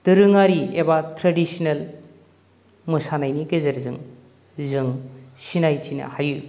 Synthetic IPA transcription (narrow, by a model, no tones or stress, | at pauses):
d̥ɯɾɯŋaɾiebatʰɾadisinel | mɯsanajniɡezeɾzɯŋ | zɯŋsinajt͡ʃina̰hajɯ